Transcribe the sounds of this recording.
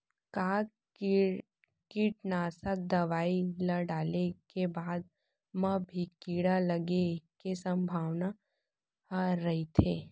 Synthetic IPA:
kaː | kiːʈ̚naːsək̚d̪ɐʋaːilɐɖaːlekebaːd̪̚ | mɐbʱikiːɽalɐɡekesɐ̃mbʱaːʋna | ɾɐit̪ʰeː

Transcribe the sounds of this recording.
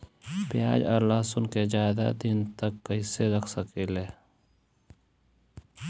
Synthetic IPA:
pɪjaːd͡ʒɐ̰ɾlaːsʊnked͡ʒaːɪd̪a̰d̪int̪əkːɐiseɾɐkʰsəkileː

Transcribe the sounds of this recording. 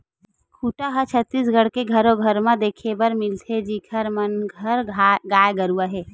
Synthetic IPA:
kʰuːʈaɦət͡ʃʰət̪ːiːs̬ɡʱəɽ̤keɡʱəɾoɡʱəɾmad̪eːkʰebəɾmɪlt̪ʰed͡ʒikʰəɾmənɡʱəɾɡaːjɡəɾuaɦɛː

